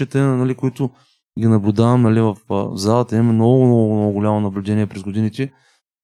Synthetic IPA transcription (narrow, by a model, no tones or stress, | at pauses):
ɛt̪ɛnɐlikʊit̪ʊ | ɡʲinɐblʲʊd̪avɐmnɐlivɐfzalˠət̪əimmɛmnɔɡʊmnɔɡɡʊmnɔɡʊɡʊlʲamonɐblʲʊd̪ɛnʲiɛpɾɛzɡod̪init̪ɛ